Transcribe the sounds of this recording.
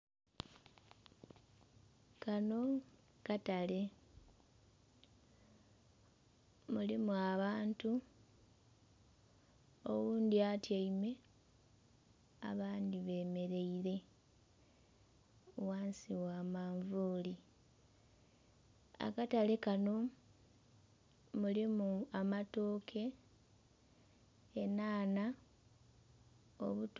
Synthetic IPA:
kano̞ | katale̞ | mulimuaβaːntu | o̰wuːnd̪iatjaime̞ | a̰βaːnd̪iβe̞ːme̞ɾe̞iɾe̞ | waːnsiwaːmaːɱvuːli | a̰katalekano̞ | mulimuamato̞ːkʰe̞ | enaːna | o̰βut

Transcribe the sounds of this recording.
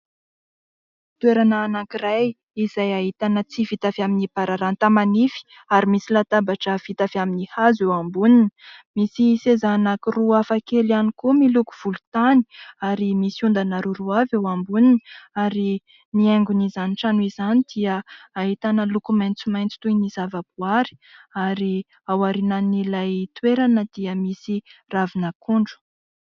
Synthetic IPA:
t̪weɾanaːnakiraj | izajaɦit̪anət͡sivit̪afaminipaɾaɾant̪amanifi̥ | aɾimisilat̪abaʈ͡ʂəv̥it̪afiaminihazewambuninimisisezanakiruafakelanikumilukuv̥ulu̥t̪ani̥aɾimisiund̪anaɾuɾuavewambuniniaɾi | nieŋɡunizaniʈ͡ʂanizanid̪̥iəaet̪anəlukumajnt͡simajnt͡si̥t̪uinizavabuaɾi̥aɾi | awaɾinanilajt̪weɾanəd̪̥iəmisiravinəkuɳɖ͡ʐu̥

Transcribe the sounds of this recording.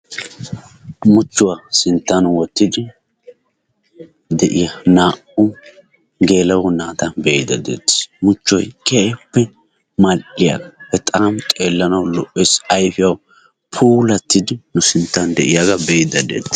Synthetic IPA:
mʊt͡ʃːʊwasɪnt̪ːɐnwɔt̪ːɪd̪ɪ | d̪ɛʔɪjɐnaːʔʊ | ɡe̞ːlɐwɔnaːt̪ɐbɛjɪd̪ɐd̪ḛːt̪ːɪ̥mʊt͡ʃːɔjkɛʔɛpːɛ | mɐlʔɪja̰ɡɐ̥hɛt̪ʼaːmt̪ʼeːlːɐnɐwlɔʔɛsɐjfɪjɐw | pʰuːlɐt̪ːɪd̪ɪnʊsɪnt̪ːɐnd̪ɛʔɪjaɡɐbɛjɪd̪ɐd̪ḛːt̪ːɪ̥

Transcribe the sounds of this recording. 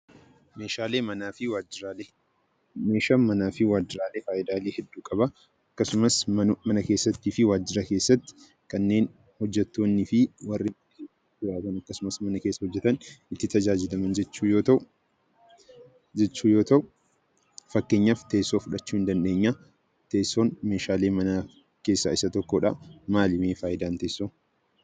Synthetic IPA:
me̞ːʃaːle̞ːmɐnaːfɪwaːd͡ʒɪɾaːleː | me̞ːʃaːmmɐnaːfɪwaːd͡ʒːɪɾaːleːfaːʔɪd̪aːle̞ːhɛd̪ːuːkʼɐbɐ | ɐkːɐsʊmɐsmɐnɐke̞ːsːɐt̪ːiːfɪwaːd͡ʒːɪɾɐkeːsːɐt̪ːɪ̥ | kɐnːe̞ːn | hɔd͡ʒːɛt̪ːo̞ːnːɪfɪwɐrːɪmɐkeːsɐtɪjaːt̪ɐnɐkːɐsʊmɐsmɐnɐkeːsːɐhɔd͡ʒːɛt̪ɐnʔɪt̪ːɪt̪ɐd͡ʒaːd͡ʒɪlɐmɐnd͡ʒɛt͡ʃːuːjoːt̪ɐ | d͡ʒɛt͡ʃːuːjo̞ːt̪ɐʔʊ | fɐkːeːɲːaːft̪eːsːoːfʊᶑɐt͡ʃːuːhɪnd̪ɐnᶑe̞ːɲːa | t̪eːsːo̞ːnme̞ːʃaːle̞ːmɐnɐ | ke̞ːsːɐɪsɐt̪ɔkːoːᶑɐ̰maːlɪmeːfaːjɪd̪aːnt̪eːsːoː

